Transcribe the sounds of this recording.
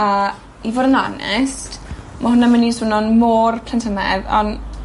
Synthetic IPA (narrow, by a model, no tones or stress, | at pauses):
ə | ivoːdəna̰nɛ̰st | maɦʊnaməniswɪnɔnmoːrpʰlɛntʰəmɛðɔ̰n